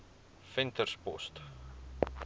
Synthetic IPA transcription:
fɛntərspɔ̰st

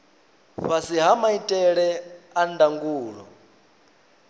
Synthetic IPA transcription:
ɸasiɦamaitʼɛɺɛandaŋɡuːɺɔ̰

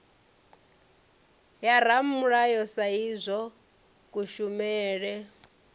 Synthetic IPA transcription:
jaɾamuɺajɔsaizʷɔ | kuʃumɛːɺɛ

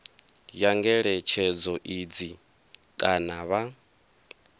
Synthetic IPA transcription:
jaŋɡɛɺɛt͡ʃʰɛd͡zɔʔid͡zi | kʼanaβa

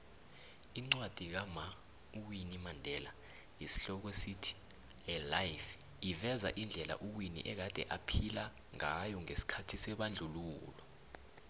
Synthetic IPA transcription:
iŋ͡ǀwad̥ʱik̬ama | uk̬winimandʱɛla | isi̥ɬɔk̬esitʰi̥ | ɛlajf | ivɛza̰ʔind͡ɮʱɛla̰ʔuk̬winḭʔɛk̬ad̥ʱɛ̰ʔapʰila | ŋajɔŋesi̥kʰatʰisɛɓand͡ɮʱuluːlɔ

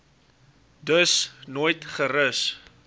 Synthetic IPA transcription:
dəsnoːjtχəɾəs

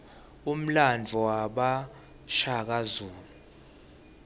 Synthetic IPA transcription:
um̩land͡vʱɔwaɓa | ʃak̬azuːlu

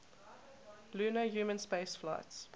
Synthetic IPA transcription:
luːnəjuːmə̃nspeɪsfla̰ɪts

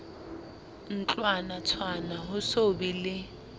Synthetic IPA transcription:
n̩t͡ɬʼwanat͡sʰwanaɦʊsobilɪ

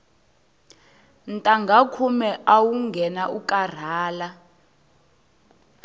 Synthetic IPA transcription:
n̩tʼaŋɡʱakʰumɛʔawuŋɡʱɛnaukʼar̤aːla

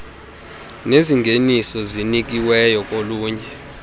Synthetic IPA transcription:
neziŋɡʱenisɔzinik̬iwɛjɔk̬ʼoluːɲɛ

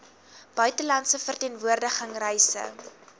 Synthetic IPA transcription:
b̥œɥtəlɐntsəfərtiːnvuərdəχəŋrɛjsə̰

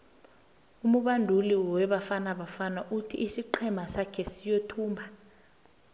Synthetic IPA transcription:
umuɓandʱuliwɛɓafanaɓafanaʔutʰiʔːsiǃʰɛmʱasakʰɛsijotʰuːmbʱa

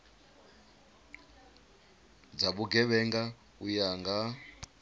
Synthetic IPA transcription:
d͡zaɓuɡɛβɛŋɡa | ujaŋɡa

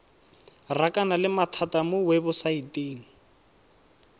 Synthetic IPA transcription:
rakʼanalɪmatʰatamʊwebʊsaiteːn̩

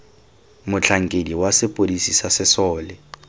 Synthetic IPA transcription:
mʊt͡ɬʰaŋ̩kʼediwasɪpʼolisisasɪsɔːlɪ

